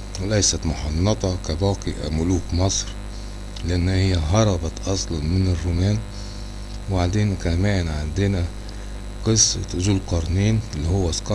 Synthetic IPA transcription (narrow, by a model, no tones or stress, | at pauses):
wlæjsæt̪mʊħɑnːɑt̪ˤɑkabɑːqiʔa̰mʊluːkmɑsˤɾ | lɪʔanːhɪjːæɦɑɾˤɑbɑʔɑsˤlɑnmɪnɪrːuːmæːn | wbaʕd̪eːnkæmæːnʕand̪ɪnæ | qɨsˤːt̪zuːlqɑɾˤniːnɪlːihʊwːæsqɑ